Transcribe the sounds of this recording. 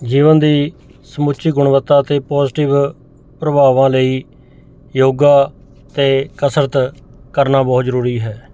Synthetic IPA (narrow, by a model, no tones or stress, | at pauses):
d͡ʒiːʋənd̪iː | səmʊt͡ʃiːɡʊɳ̃ʋət̪ːaːt̪eːpɔːzʈɪʋ | pɾəbʱaːʋãːləiː | joːɡaː | t̪eːkəsɾət̪ | kəɾnaːbɔːt̪zəɾuːɾiːɦɛː